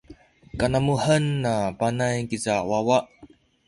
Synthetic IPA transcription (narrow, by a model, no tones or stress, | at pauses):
kanamuhənːapanajkizawawaʔ